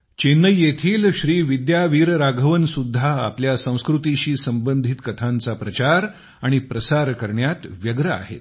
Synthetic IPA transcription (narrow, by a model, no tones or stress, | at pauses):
t͡ɕenːəjːet̪ʰiːlɕɾiːʋid̪jaʋiːɾɾaɡʱəʋənsud̪ʱːa̰ːpljasə̃w̃skɾut̪iɕiːsəmbənd̪ʱit̪kət̪ʰant͡sapɾət͡ɕaɾ | aɽ̃ipɾəsaɾkəɾɳjat̪ʋjəɡɾəa̰ɦḛt̪̚